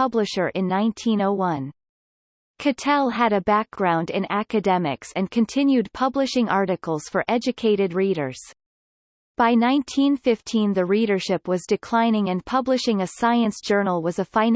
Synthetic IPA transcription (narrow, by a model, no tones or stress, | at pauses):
ʌblɨʃə˞ʔɨ̃nːãɪ̃ntʰĩnoʊwʌ̃n | kʰɨtʰɛlˠɨɾɨbæk̚ɡ̥ɹãʊ̃ndɪ̰̃nækɨdɛmɪ̰ksɨ̃nkʰɨ̃ntʰɪ̃njʉd̚pʰʌblɨʃɪ̃ŋʔɑɹɾɨkl̩ˠz̥fə˞ʔɛd͡ʒɨkʰeɪɾɨd̚ɹiɾə̰˞z̥ | b̥aɪnãɪ̃ntʰĩnfɪftʰĩnðɨɹiɾə˞ʃɪpwʌzdɨkʰl̥ãɪ̃nɪ̃ŋɨ̃npʰʌblɨʃɪ̃ŋɨsaɪɨ̃nsd̥ʒ̥ɜ˞nl̩ˠwʌzɨfãɪ̃n